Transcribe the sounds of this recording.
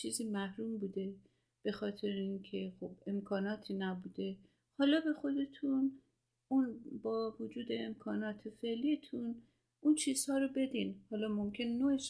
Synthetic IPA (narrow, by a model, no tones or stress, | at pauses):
iːziːmæhɾuːmbuːd̪e̞ | b̥e̞xɒːt̪ʰe̞ɾeincʰe̞xo̞be̞mkʰɒːnɒːt̪ʰiːnæbuːd̪e̞ | hɒːlɒːbe̞xo̞d̪e̞t̪ʰun | unbɒːvod͡ʒuːd̪e̞ːmkʰɒːnɒːt̪ʰefe̞ʔlijet̪ʰun | ʔunt͡ʃʰiːz̥hɒːɾobe̞d̪iːnhɒːlɒːmomcʲʰe̞nenoeʃ